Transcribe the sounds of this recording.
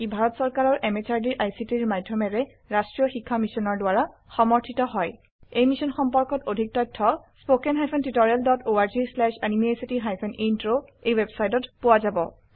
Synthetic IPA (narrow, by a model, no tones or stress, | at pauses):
ibʱaɹɔtsɔɹkaɹɔɹʔɛmet͡ʃaɹdiʔajsitiɹmadʱjɔmɛɹɛ | ɹastɹijɔxikʰːamisɔnɔɹdwaɹaxɔmɔɹtʰitɔɦɔj | ejmisɔnxɔmpɔɹkɔtodʱik̚tɔjtʰːɔspokenɦajpʰɔntitɔɹialdɔtoaɹzislɛʃanimesitiɦajpʰɔnintɹoejwebsajtɔtpʊwazabɔ̰